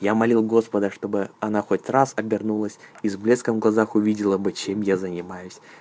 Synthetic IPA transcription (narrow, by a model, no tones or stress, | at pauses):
jamɐlʲilˠɡo̞spəd̪əʂt̪o̞bɨɐnaxo̞tʲrasɐbʲɪrnulˠəsʲizblʲe̞skəmɡlˠɐzaxʊvʲidʲɪlˠəbɨt͡ɕemjazənʲɪmajʊsʲ